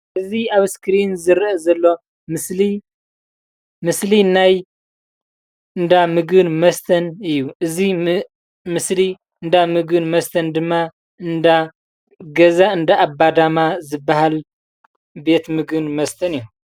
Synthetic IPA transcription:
ʔɨziaβskɾinzɨɾʔɐzɐlːo̞ | mɨsli | mɨslinaj | ɨnd̪amɨɡɨnmɐst̪ʰɐnɨjːuʔɨzi | mɨsli | ɨnd̪amɨɡɨnmɐst̪ʰɐnd̪ɨmːa | ɨnd̪a | ɡɐzaɨnd̪aːbːad̪amazɨbːaɦal | be̞t̪mɨɡɨnmɐst̪ʰɐnɨjːu

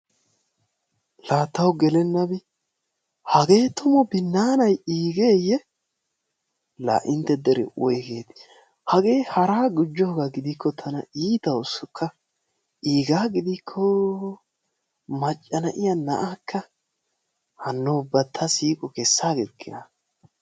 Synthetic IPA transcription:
laːt̪ːɐwɡɛlɛnːɐbɪ | hɐɡe̞ːt̪ʊmɔbɪnːaːnɐjiːɡe̞ːjɛ | la̰ːʔɪnt̪ːɛd̪ɛɾɛ̰ɔjɡeːt̪ | hɐɡe̞ːhɐɾaːɡʊd͡ʒːɔhɡaɡɪd̪ɪkʰːɔt̪ʰɐnɐ̰iːt̪ɐwʊsɔkʰːɐ | ʔiːɡaːɡɪd̪ɪkʰːɔ | mɐt͡ʃʼːɐnɐʔɪjɐnɐ̰ʔaːkʰːɐ | hɐnːobɐt̪ʰːɐsiːkʼɔkɛsːaːɡɛkʰːɪnɐ

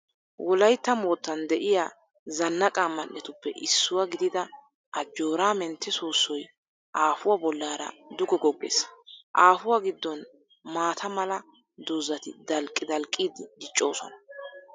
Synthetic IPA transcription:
wʔɔlɐjt̪ːɐmoːt̪ːɐnd̪ɛʔɪjaː | zɐnːɐkʼamːɐnːɛt̪ʊpːɛʔɪsːʊwaɡɪd̪ɪd̪ɐ | ʔɐd͡ʒːo̞ːɾaːmɛnt̪ʰːɛsuːsːɔj | ʔaːfʊwabɔlːaːɾɐ̰d̪ʊɡɔɡɔɡːḛːsɐʔaːfʊwaɡɪd̪ːɔn | maːt̪ʰɐmɐlɐ | d̪ʊzɐt̪ɪ̰d̪ɐlkʼːɪd̪ɐlkʼːiːd̪ɪd̪ɪt͡ʃʼːo̞ːsɔ̰nɐ

